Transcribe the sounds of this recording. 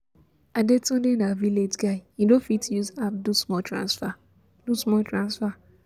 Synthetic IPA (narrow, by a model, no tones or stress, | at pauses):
adetɔ̃denaviled͡ʒɡaɪĩdofitjuzapdusmɔtɾã̰nsfa | dusmɔltɹãnsfa